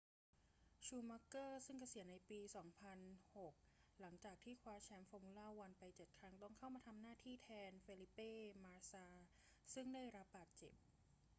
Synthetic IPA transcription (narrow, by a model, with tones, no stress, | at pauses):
t͡ɕʰuː˧ma˦˥kɤː˥˩sɯ˥˩ŋkʰa˧si˨˩˦ənːa˧jpiː˧sɔː˩˦ŋpʰa˧nho˨˩k̚la˩˦ŋt͡ɕaː˨˩k̚t̪ʰiː˥˩kʰwaː˧˥t͡ɕʰɛː˧mfɔː˧mu˧˥laː˥˩wa˧npa˧jt͡ɕɤ˨˩t̪̚kʰɾa˦˥ŋt̪ɔ˥˩ŋkʰa˥˩wmaː˧t̪ʰa˧mnaː˥˩t̪ʰiː˥˩t̪ʰɛː˧nfeː˧li˦˥pːeː˥˩maː˧saː˧ | sɯ˥˩ŋdaː˥˩jɾa˦˥p̚baː˨˩t̪̚t͡ɕḛ˨˩p̚